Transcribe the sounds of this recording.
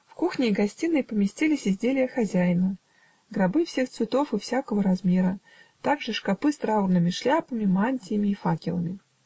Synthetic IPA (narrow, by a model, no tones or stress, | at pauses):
fkuxnʲɪːɡɐsʲtʲinːəjpəmʲɪsʲtʲilʲɪsʲɪzʲdʲelʲɪjəxɐzʲæjnə | ɡɾɐbɨfsʲext̪svʲɪt̪o̞fɨfsʲakəvəɾɐzmʲeɾə | t̪aɡʐɨʂkapɨst̪ɾaurnɨmʲɪʂlʲapəmʲɪmanʲtʲɪjɪmʲɪːfakʲɪlˠə̰mʲɪ